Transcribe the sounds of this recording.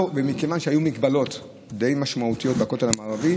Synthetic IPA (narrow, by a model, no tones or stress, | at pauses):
bemikevanʃehajumiɡbalo̞t̪ | d̪e̞jmaʃmaut̪ijo̞t̚bakot̪elamaːʁavi